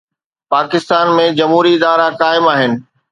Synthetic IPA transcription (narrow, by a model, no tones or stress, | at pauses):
paːkɪst̪aːnmẽd͡ʑɐmɦuːɾiɪd̪aːɾakaːɪmaːɦɪnɪ̆